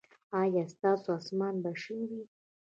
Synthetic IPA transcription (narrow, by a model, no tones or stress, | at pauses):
ajast̪asoasmanbaʂɪŋɡi